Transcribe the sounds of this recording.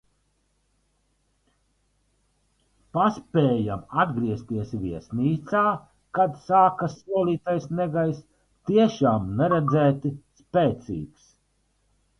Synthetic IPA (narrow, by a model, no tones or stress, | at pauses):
paspʲɛːja̰mad̪ɡɾiɛst̪iɛsviɛsniːt̪saː | kad̪saːkasuɔlˠiːt̪ajsnɛɡajs | t̪iɛʃaːmnɛɾɛd̪zæːt̪ispɛːt̪sḭːks